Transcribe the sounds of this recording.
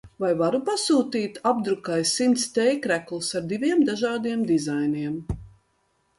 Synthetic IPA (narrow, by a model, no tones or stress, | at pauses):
vajvaɾupasuːt̪iːt̪ab̚d̪ɾukajsint̪st̪ɛjkɾæklˠsaɾd̪ivʲiɛmd̪aʒaːd̪iɛmd̪izajniɛm